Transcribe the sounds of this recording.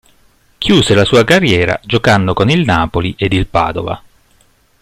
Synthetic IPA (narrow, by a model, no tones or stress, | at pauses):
kjuːzelasuːakarːjɛːɾa̰d͡ʒokanːokonilnaːpoliʔed̪ilpa̰ːd̪ova̰